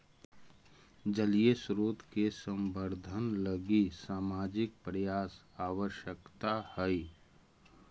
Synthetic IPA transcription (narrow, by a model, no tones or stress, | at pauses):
d͡ʒəliesɾoːt̪kesə̃mbəɾd̪ʱənləɡisaːmaːd͡ʒɪk̚pɾəjaːs | aːʋəʃjəkt̪ahɛ